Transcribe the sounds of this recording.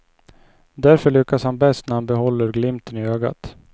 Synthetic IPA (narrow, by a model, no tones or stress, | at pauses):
d̪æɾfœɭʏkːashanbɛst̪næɾhanbɛɦɔlːəɾɡlɪmt̪ənɪøːɡa̰t̪